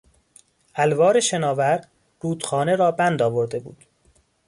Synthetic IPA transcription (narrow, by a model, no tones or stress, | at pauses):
ʔælvɒːɾe̞ʃenɒːvæɾ | ruːd̪xɒːneɾɒːbænd̪ɒːvoɾd̪e̞bṵːd̪̥